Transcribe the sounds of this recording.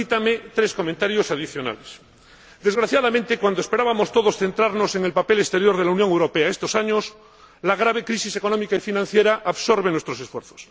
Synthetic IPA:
it̪amet̪ɾeskomẽnt̪aɾjosaðiθjo̞na̰les | d̪e̞zɣɾaθjaðament̪ekwand̪oespe̞ɾaβamo̞st̪o̞ðosθe̞nt̪ɾaɾno̞seŋelpapelest̪e̞ɾjo̞ɾð̞e̞launjõŋewɾo̞peaest̪o̞saɲos | laɣ̞ɾaβ̞e̞kɾisise̞ko̞nomikaifinãnθjeɾaʔaβso̞ɾβe̞nwest̪ɾosesfweɾθo̥s

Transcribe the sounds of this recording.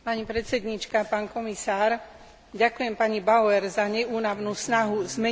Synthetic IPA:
paɲipɾɛt͡sɛd̪ɲit͡ʃkapaːnkɔmisaːɾ | ɟakujɛmpaɲibaʊɛɾzaɲɛuːnaʊnuːsnaɦuzmɛ

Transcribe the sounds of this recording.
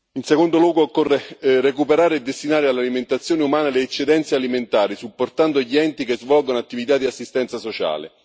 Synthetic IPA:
insekond̪olwɔːɡoːkːorːerekupeɾaːɾeed̪ːest̪inaːɾealːaliment̪at̪sːjoːneumaːnaleːt͡ʃːed̪ɛnt̪sealiment̪aːɾisupːort̪and̪oʎːiɛnt̪ikezvɔlɡonoat̪ːivit̪ad̪ːiasːist̪ɛnt̪sasot͡ʃa̰ːlḛ

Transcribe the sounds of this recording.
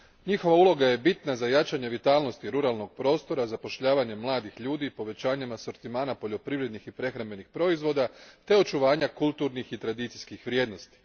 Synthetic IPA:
ɲixo̞ʋaulˠo̞ɡaje̞bit̪nazajat͡ʃaɲe̞ʋit̪aːlˠno̞st̪iɾuɾalˠno̞ɡ̥̚pɾo̞ːst̪o̞ɾazapo̞ʃʎaːʋaɲe̞mlˠaːd̪ixʎuːd̪ipo̞ʋe̞t͡ɕaːɲamaso̞ɾt̪imaːnapo̞ʎo̞pɾiʋɾe̞d̪nixipɾe̞xɾambe̞nixpɾo̞izʋo̞d̪at̪e̞o̞t͡ʃuʋaːɲakulˠt̪uɾnixit̪ɾad̪it̪sijskixʋɾje̞ːd̪no̞st̪i̥

